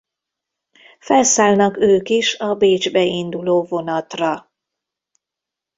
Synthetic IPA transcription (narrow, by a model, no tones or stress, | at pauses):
fɛlsaːlnɒkøːkiʃɒbeːd͡ʒbɛind̪uloːvo̞nɒt̪rɒ